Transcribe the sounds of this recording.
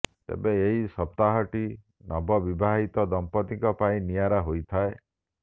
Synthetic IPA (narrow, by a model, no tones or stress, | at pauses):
t̪ḛbeeɦisɔp̚t̪aɦɔʈi | nɔbɔbibʱaɦit̪ɔd̪ɔmpɔt̪iŋkɔpaĩnijaɾaɦojt̪ʰae